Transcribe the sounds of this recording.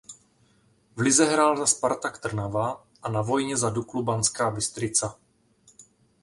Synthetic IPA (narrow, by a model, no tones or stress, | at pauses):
vlɪzɛɦɾaːlzaspaɾt̪akt̪r̩nava | ʔanavo̞jɲɛzaduklubanskaːbɪst̪ɾɪt͡sa